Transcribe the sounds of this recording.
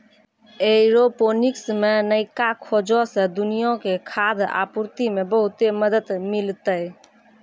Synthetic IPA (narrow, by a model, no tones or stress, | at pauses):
eɾoponiksmenəɪkakʰod͡ʒɔsẽd̪unijõkekʰad̪a̰puɾt̪imebəɦʊt̪eməd̪ət̪mɪlt̪əj